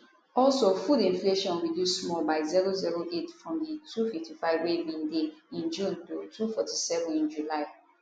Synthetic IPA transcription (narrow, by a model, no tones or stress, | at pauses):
ɔlsofudĩnfleʃɔ̃nɹidjussmɔlbaɪziɹoziɹoʔetfɹɔ̃mditʰufiftifaɪvwevĩndeĩnd͡ʒũntotʰufɔtisɛvɔ̃nĩnd͡ʒulaɪ